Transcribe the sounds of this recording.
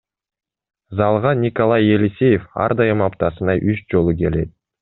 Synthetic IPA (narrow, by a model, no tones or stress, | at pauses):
zɑlˠʁɑnʲikolˠɑjelʲisʲe̞jefɑ̰ɾd̪ɑjɯmɑpt̪ɑsɯnɑjʔyt͡ʃd͡ʒo̞lˠuke̞le̞t̪̚